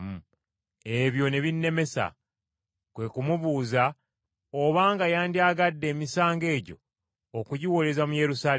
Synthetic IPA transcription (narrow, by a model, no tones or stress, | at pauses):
m | e̞βjo̞ne̞βinːe̞me̞sa̰ | kwe̞kumuβuːza | oβaːŋɡajaːndiaːɡadːe̞ːmisaːŋɡe̞ːɟo̞̰ː | kuɟiwo̞le̞zamuje̞ɾusaː